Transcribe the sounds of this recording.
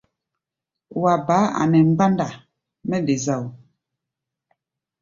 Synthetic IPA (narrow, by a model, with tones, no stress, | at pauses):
wa˨baː˨˦a̰˨nɛ˨m̩˦ɡ͡ba˦nda˨ | mɛ˦de˨za˦˨w